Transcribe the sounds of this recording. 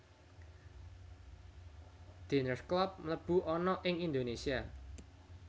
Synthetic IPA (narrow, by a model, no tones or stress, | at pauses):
d̪̥enərsklɔp̚mələb̥ṳɔnɔʔɪŋind̪onesia